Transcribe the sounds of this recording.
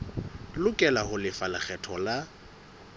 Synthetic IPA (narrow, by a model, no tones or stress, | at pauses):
lʊkʼɛlahʊlɪfalak͡xɛtʰɔla